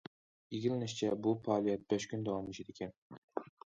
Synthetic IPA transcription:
jiɡʲilɪnɪʃt͡ʃʰɛbupʰɑːlˠijɛt̪̚bɛʃkʲynd̪ɑwɑmit͡ʃʰed̪ekʲʰɛn

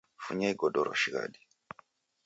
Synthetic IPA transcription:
fuɲaiɡɔɗɔɾɔ̰ʃiɣa̰ɗi̥

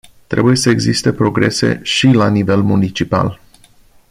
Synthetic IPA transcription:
t̪ɾe̞̰buje̞səeɡzist̪e̞pɾo̞ɡɾe̞se̞̰ʃilanive̞lmunit͡ʃipa̰l

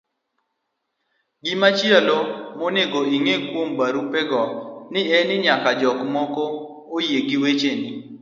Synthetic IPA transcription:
ɡimat͡ʃjalomonɪɡoiŋekwombaɾupɛɡɔnɪɛnɪɲakad͡ʒɔkmɔkoː | jeɡiwet͡ʃeni

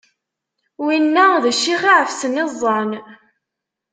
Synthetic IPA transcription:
winːæðæʃːiχiʕəfsənɪzˤːɑn

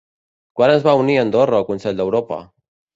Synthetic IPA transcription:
kwanənzβauniənd̪orəːlˠkunsɛʎʲd̪əwɾopə̰

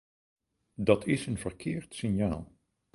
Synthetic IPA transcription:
dɑtʰɪsənvəɹkʰɪːɹtsɪnjaːlˠ

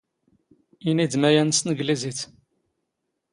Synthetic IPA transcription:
inid̪mæjænəsnəɡliziθ

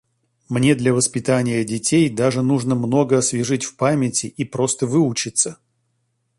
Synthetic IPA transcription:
mnʲe̞d̪lʲɐvəspʲɪt̪anʲɪjədʲɪtʲejd̪aʐɨnuʐnəmno̞ɡəɐsvʲɪʐɨtʲfpamʲɪtʲɪʔipɾo̞st̪əvɨʊt͡ɕɪt̪sə

